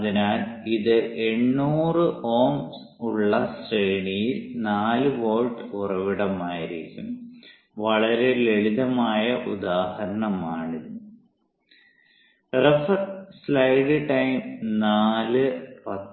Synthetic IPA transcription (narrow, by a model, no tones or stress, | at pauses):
ɐðinaːliðɨʔe̞ɳːuːrɨoːmsuɭːɐsrejɳijilnaːlɨʋo̞ːlʈurɐʋiɽɐmaːjiɾikʲːum | ʋɐɭɐɾe̞le̞ɭiðɐmaːjɐʔud̪aːhɐɾɐɳɐmaːɳiɾunːu | refɐrslɐjɖɨʈɐjmnaːlɨpɐt̪ː